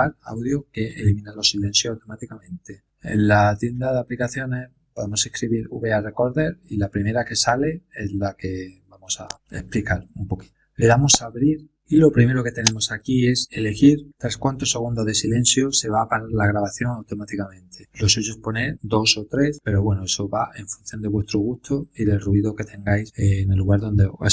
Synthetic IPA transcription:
aɾa̰wðjoke̞ʔelimĩnalo̞sile̞nθjoawt̪o̞mat̪ikamẽ̞nt̪e̞ | ḛnlat̪je̞nd̪aðaplikaθjo̞nes | poðemo̞seskɾiβiɾuβeare̞ko̞ɾðe̞ɾilapɾime̞ɾake̞sale̞e̞zlake̞bamo̞saḛhplikaɾumpo̞ki̥t̪ | le̞ðamosaβɾiɾ | ilo̞pɾime̞ɾo̞ke̞t̪e̞nẽ̞mo̞sakie̞se̞le̞xiɾt̪ɾaskwant̪ose̞ɣund̪oðe̞silẽ̞n̟θjose̞βapaɾalaɣɾaβaθjo̞ŋawt̪o̞mat̪ikamẽ̞nt̪ʰe̞lo̞suʝospo̞ne̞ɾd̪o̞so̞t̪ɾe̞spe̞ɾoβwe̞noeso̞βae̞ɱfun̟θjo̞nd̪eβwe̞st̪ɾoɣ̞ust̪ʰo̞iðe̞lruiðoke̞t̪ʰe̞ŋɡajsenelːuɣaɾðõ̞nd̪eoe

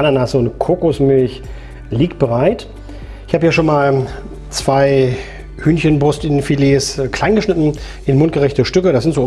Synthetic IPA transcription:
ʔananasəʊntkʰoːkʊsmɪlç | liːkt̚b̥əʁaɪt | ɪçhaːbəhiːʃoːnmaːl | t͡sv̥aɪ | hyːnçənbʁʊstɪnfileːskʰl̥aɪnɡəʃnɪtn̩ | ʔɪnmʊnt̚ɡ̥əʁɛçtəʃtʏkəɾasz̥ɪntz̥oː

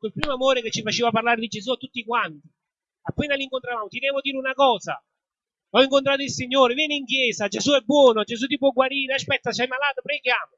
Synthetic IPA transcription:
kolpɾiːmoamoːɾeket͡ʃːifat͡ʃeːvaparlaːɾed̪id͡ʒesuat̪ːut̪ːikwant̪i̥ | apːeːnaliŋkont̪ɾavaːmot̪id̪ɛːvod̪iːɾeunakɔːza̰ | ɔiŋkont̪ɾaːt̪oilsiɲːoːɾevjɛːneiŋkjɛːsad͡ʒezuɛbːwɔːnod͡ʒes̬ut̪̬ip̬wɔɡwaɾiːɾeaspɛt̪ːasajmalaːt̪opɾeɡjaːmo

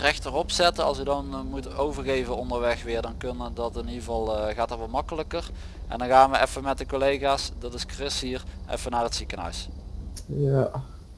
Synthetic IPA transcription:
rɛxtərɔpsɛtəɑ̰lˠs̬ədɑnmutowvərɣejvənɔndəɹʋɛxʋɪːɹdɑnkɵnədɑtɪnivɑlˠɣaːtɑtʋɑlmɑkələkər | ʔɛ̰ndɑnɣaːnʋəɛfəmɛt̚dəkolejɣaːsdɑtɪskrɪsɦiːrʔɛ̰fənaːrətsikənɦœ̰ɥs | ja

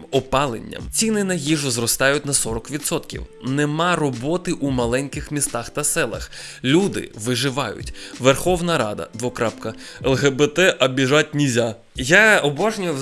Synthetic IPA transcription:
ɔpɑlˠḛnʲːɐ̰mt͡sʲinɪnɐɦiʒʊzrɔst̪ɑjʊtʲnɐsɔɾɔkʋʲid̪sɔt̪kʲḭwnɛmɑrɔbɔt̪ɪʔumɐlˠɛnʲkɪxmʲist̪axt̪ɐsɛlˠɐ̰x | lʲud̪ɪ̰ʋɪʒɪʋɑjʊ̰tʲʋerxɔwnɐɾɑ̰d̪ɐ̰d̪ʋɔkɾapkɐ | ɛlˠɦɛbɛt̪ɛʔɐbʲiʒatʲnʲizʲa | jaɔbɑʒnʲʊjɛ

